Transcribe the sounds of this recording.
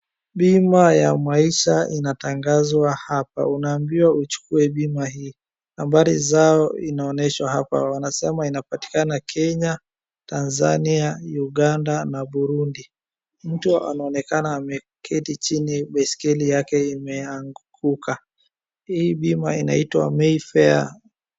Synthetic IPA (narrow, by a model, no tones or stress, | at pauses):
ɓimajamaiʃainataŋɡazwahapa̰unaːmbiwaut͡ʃu̥kuɛɓimahiː | hambaɾizaɔinaɔnɛʃwahapa̰wanasɛmainapati̥kanakʰɛɲa | tanza̰niajuɠandanaɓuɾundi | m̩tuaa̰naɔnɛkanaːmɛ | kʰɛtit͡ʃiniɓɛskɛlijakɛimɛaŋɡɡukʰa | hiːɓimaina̰itwa̰mɛifɛa̰